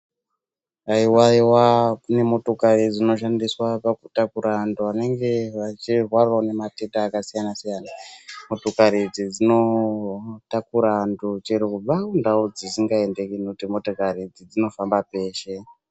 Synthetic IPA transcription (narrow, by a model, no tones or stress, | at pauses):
aiwaiwane̞mo̞to̞kaɾid͡zino̞ʃ̬andiswapakutakuɾanduane̞ŋɡe̞ʋat͡ʃirwaraone̞matetaːkasijanasijanamotokaɾid͡zid͡zino̞ | takuɾandut͡ʃiɾekub͡vakundaud͡zisiŋɡae̞nde̞kinekutimo̞tokaɾid͡zid͡zino̞fambape̞ːʃe̞